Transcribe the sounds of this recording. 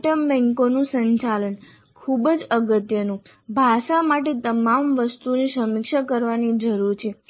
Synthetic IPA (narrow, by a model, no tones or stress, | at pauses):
ʈəmbɛ̃ŋkonũsəɲt͡ʃalən | kʰubəd͡ʒəɡət̪jənũ | bʱaʃamaʈet̪əmamʋəst̪unisəmikʃakəɾʋanid͡ʒəɾuɾt͡ʃʰe